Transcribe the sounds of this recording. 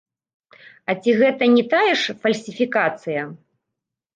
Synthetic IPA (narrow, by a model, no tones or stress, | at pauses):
ɐt͡sʲiɣɛt̪ɐnʲɛt̪ajɛʂfɐlʲsʲifʲikat̪sɨjɐ